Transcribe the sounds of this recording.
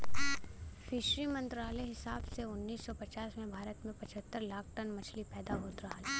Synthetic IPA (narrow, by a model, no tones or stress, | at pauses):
fʰɪʃɾimɐ̃nt̪ɾaːlɛɦɪsaːbseʊnːiːsːɔpɐt͡ʃaːsmẽbʱaːɾət̪mẽpɐt͡ʃʰət̪ːəɾlaːkʰʈənmɐt͡ʃʰlipɛːd̪aɦoːt̪ɾɐɦalɛː